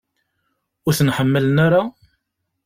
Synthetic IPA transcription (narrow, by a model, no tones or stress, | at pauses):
ʊɾθənħəmːələnaɾa